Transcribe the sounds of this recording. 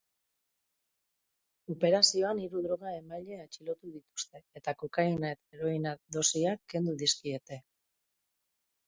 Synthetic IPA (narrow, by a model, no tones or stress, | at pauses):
ope̞ɾasio̞aniɾuðɾo̞ɣ̞ae̞maʎeet͡ʃilo̞t̪uðit̪u̥st̪e̞et̪akokajnaet̪eɾo̞inaðo̞siakːe̞nd̪uðiskie̞t̪e̞